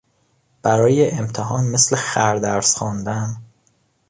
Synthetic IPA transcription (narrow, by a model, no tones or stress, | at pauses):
b̥æɾɒːjeʔemt̪ʰeɦɒːnmeslexæɾd̪æɾsxɒːnd̪æn